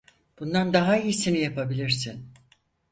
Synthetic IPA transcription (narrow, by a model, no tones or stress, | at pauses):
b̥und̪and̪aɦaijisinijapʰabilʲiɾsin